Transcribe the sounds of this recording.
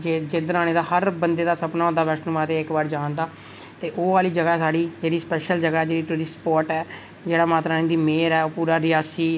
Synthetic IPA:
d͡ʒed͡ʒeːd̪əɾãːneːd̪aːhəɾbənd̪eːd̪aːsəpnaːõnd̪aːʋɛːʃnumaːt̪eːɪkbaːɾd͡ʒãːnd̪aː | t̪eːʔoːaːliːd͡ʒəɡɛsaːɽiːd͡ʒeːɽiːspɛːʃəld͡ʒəɡɛːd͡ʒeːɽiːʈuːɾɪspɔːɾʈɛː | d͡ʒeːɽaːmaːt̪ɾaːnẽːd̪iːmeːɾɛːoːpuːɾaːɾɪjaːsiː

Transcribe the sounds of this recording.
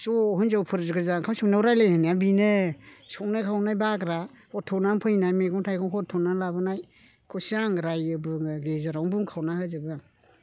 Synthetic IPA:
sɔɦɯnzawpʰɯɾzɡɯzaŋkʰawsimnawɾajlehɯnabinesɔwnakʰawnajbakɾa | ɔtʰɔnampʰɯjnajmeɡɔŋtʰajɡɔŋkʰɔtʰɔnalabɯnaj | kʰɔsiaŋɾajɯbɯŋɡezaɾawŋbuŋkʰawnahɯzɯbɯ

